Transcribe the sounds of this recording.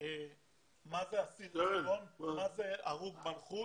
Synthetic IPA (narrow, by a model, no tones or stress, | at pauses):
e | mazeasitonmazeaʁuɡmalχu